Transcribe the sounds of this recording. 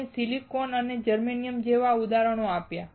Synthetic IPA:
esilikonəned͡ʒəɾmenijəmd͡ʒeʋaud̪aɾəɽ̃oapja

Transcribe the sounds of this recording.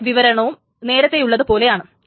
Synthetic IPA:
ʋiʋɐɾɐɳɐʋum | ne̞ːɾɐt̪ːe̞juɭːɐðɨpo̞ːle̞jaːɳɨ

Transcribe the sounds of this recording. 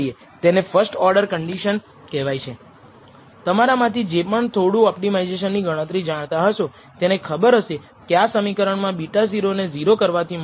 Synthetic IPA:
ie | t̪enefʰəɾsʈɔɾɖəɾkəɳɖiʃən | kɛʋajt͡ʃʰe | t̪əmaɾamãt̪ʰid͡ʒepəɳt̪ʰoɽũɔpʈimajzeʃ̬ənːiɡəɽ̃ə̃t̪ɾid͡ʒaɽ̃t̪aɦəʃõ | t̪enekʰəbəɾɦəʃe | keasəmikəɾəɳmãbiʈaziɾoneziɾokəɾʋat̪ʰim

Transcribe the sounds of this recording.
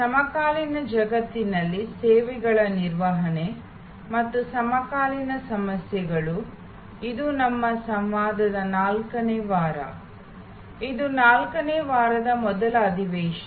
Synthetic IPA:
sɐmɐkaːlinɐd͡ʒɐɡɐt̪ːinɐlːiseːʋɛɡɐɭɐniɾʋɐɦɐne | mɐt̪ːusɐmɐkaːlinɐsɐmɐsjɛɡɐɭu | id̪unɐmːɐsɐmʋaːd̪ɐd̪ɐnaːlkɐneːʋaːɾɐ̰ | id̪unaːlkɐneːʋaːɾɐd̪ɐmɔd̪ɐlɐːd̪ʱiʋɛːʃɐ

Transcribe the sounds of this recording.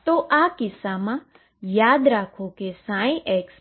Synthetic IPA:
t̪oʔakɪsamã | jaːd̪ɾaːkʰokesãːĩʔeːks

